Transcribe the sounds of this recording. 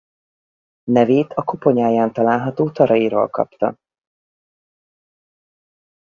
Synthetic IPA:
nɛveːt̪ʰɒkopo̞ɲaːjaːnt̪ɒlaːlɦɒt̪oːt̪ɒɾɒjiɾo̰ːlkɒ̰pt̪ɒ̰

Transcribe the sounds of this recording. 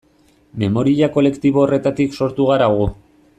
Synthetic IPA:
me̞mo̞ɾiʎako̞le̞kt̪iβ̞oːre̞t̪at̪ikso̞ɾt̪uɣ̞aɾaɣ̞u

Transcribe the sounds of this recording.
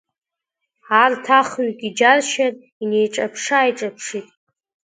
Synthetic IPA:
artʰaχɥkʲʼid͡ʒarʃarʼ | ine̞jʈ͡ʂʼapʰʂaːjʈ͡ʂʼapʰʂitʼ

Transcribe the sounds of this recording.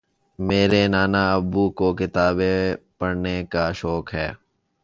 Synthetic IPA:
meːɾenaːnaɐbːuːkoːkɪt̪aːbepɐɽnekaʃɔːkɦɛ̰ː

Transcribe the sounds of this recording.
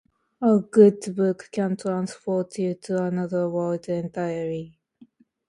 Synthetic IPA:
əɡʊdbʊkkʰə̃ntʰɹ̥ãnspɔtʰjutʰuənʌðə˞wəldɛ̃ntʰaɪəɹi

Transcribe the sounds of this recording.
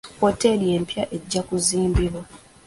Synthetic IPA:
hote̞lije̞ːmpjaʔe̞ɟːakuziːmbiβwo

